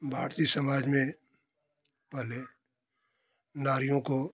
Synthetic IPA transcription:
bʱa̰ːɾt̪isɐmaːd͡ʒmẽ | pəɦle | naːɾijõko

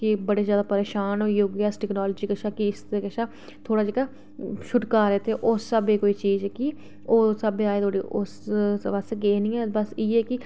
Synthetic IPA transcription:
kɪbəɽeːzjaːd̪aːpəɾeːʃaːnɦoːiːoːɡaːsʈɛːknɔːloːd͡ʒiːkəʃaːkɪɪst̪ekəʃaː | t̪ʰoːɽaːd͡ʒeːɽaː | ʃʰʊʈkaːɾeːt̪ʰeːʔoːsəbeːkoːiːt͡ʃiːzɛːki | oːsəbeaːeːt̪ʰoːɽiːʔʊsʋəsɡeːnĩːɛːbəsiːɛːkɪ

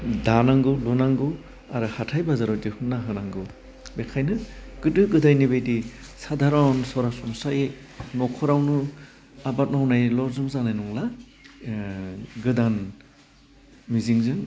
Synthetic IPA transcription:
danaŋɡɯlɔnaŋɡɯ | aɾɯhatʰajbazaɾɔdihunːaɦɯnaŋɡɯ | bekʰajnɯɡ̥ɯdɯɡɯdajnibejdi | sadaɾɔnsɔɾasɔŋsaje | nɔkʰɔɾawnɯ | abat̚nawnajlɔɾzuŋzanajnuŋla | ɡɯdan | miziŋzɯn

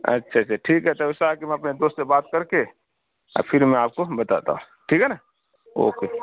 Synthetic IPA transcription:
ə̰tːʃʰat͡ʃʰaʈʰiːkɦɛt̪əbɪsaːkimɛ̃ɐpned̪oːst̪sebaːt̪̚kəɾke | ɔ̰ɾpʰɪɾmɛ̃aːp̚kobət̪at̪a̰ɦũ | ʈʰiːkɦɛna | o̰ːke

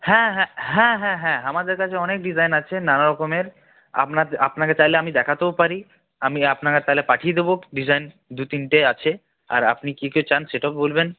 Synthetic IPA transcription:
hɛ̃ɦɛ̃ɦɛ̃ɦɛ̃ɦɛ̃ɦamad̪eɾkat͡ɕʰeɔnek̚ɖid͡ʑajnat͡ɕʰenanaɾɔkomeɾ | a̰pnaɾapnaket͡ɕajleamid̪ɛkʰat̪ebopaɾi | amiapnakat̪aɦlepaʈʰijed̪eboɖid͡ʑajn | d̪ut̪inʈeat͡ɕʰe | a̰ɾapnikikewt͡ɕanʃeʈabolben

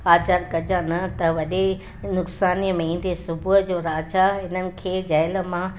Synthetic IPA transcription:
aːt͡ɕaɾkɐd͡ʑãnɐt̪ɐʋɐɗe | nʊksaːniəmẽĩːn̆d̪esʊbʱuɦəd͡ʑoːɾaːt͡ɕaɦɪnənɪ̆kʰeːd͡ʑaːɪlə̆mã

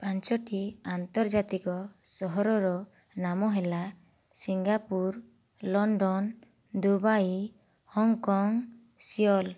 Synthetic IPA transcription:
paɲt͡ʃɔʈiant̪ɔɾd͡ʒat̪ikɔsɔɦɔɾɔɾɔ | namɔɦɛla | siŋɡapuɾ | lɔɳɖɔn | d̪ubaji | hɔŋkɔŋ | sijɔl

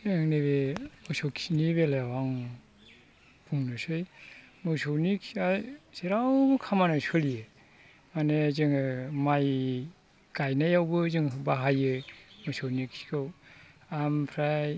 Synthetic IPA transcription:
eŋneβemɯwsowkʰiniβelajawaŋ | b̥uŋnɯsɯjmɯwsownikʰiajz̥eɾawbɯkʰamanasɯlije | manezɯŋɯmaj | kajnajawbɯzɯŋɦɯbaɦajɯmɯsownikʰi̥kʰɯwampʰɾaj

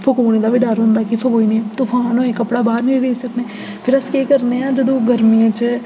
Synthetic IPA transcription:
pʰəkoːneːd̪aːʋɪɖaːɾɦʊ̃nd̪aːkipʰəkoːiːneːt̪ʊfʰãːnõːeːkəpɽaːbaːɾneːɾeisəkd̪eː | pʰɪɾəskeːkəɾneːãːd͡ʒəd̪õːɡəɾmijãːt͡ʃ

